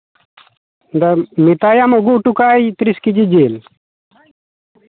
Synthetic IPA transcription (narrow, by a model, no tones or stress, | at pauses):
d̪ɐmit̪aːjamoɡuʈukaːit̪ɾiskid͡ʑid͡ʑeːl